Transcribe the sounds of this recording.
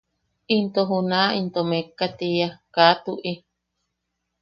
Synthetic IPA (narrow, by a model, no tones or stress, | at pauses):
int̪oɦunaint̪omekːat̪ijakat̪uʔi